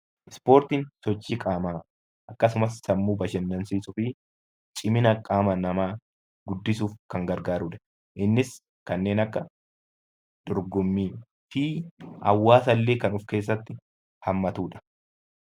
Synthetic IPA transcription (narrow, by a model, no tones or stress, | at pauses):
ʔɪspoːɾt̪ɪnsɔt͡ʃːiːkʼaːmaː | ʔɐkːɐsʊmɐsːɐmːuːbɐʃɛnd̪ɐnsiːsʊfɪ | t͡ʃʼɪmɪnɐkʼaːmɐnɐmaː | ɡ̥ʊd̪ːɪsuːfkɐŋɡɐɾɡaːɾuːᶑɐ̥ | ʔɪnːɪs | kɐnːe̞ːnɐkːɐ | d̪̥ɔɾɡɔmːiː | fiːɐ̰wːaːsɐlːe̞ːkɐnʊfke̞ːs̬ːɐt̪ːɪ | hɐmːɐt̪uːᶑɐ̥